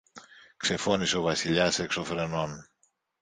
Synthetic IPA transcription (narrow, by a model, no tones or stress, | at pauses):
kse̞fo̞niseo̞vɐsiʎɐse̞kso̞fɾe̞no̞n